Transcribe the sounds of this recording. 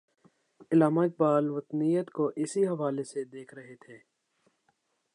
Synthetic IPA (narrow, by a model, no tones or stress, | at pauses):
ɪlaːmaːɪk̚baːlʋɐt̪nijət̪koʔɪsiɦɐʋaːlesed̪eːkʰɾɐɦet̪ʰeː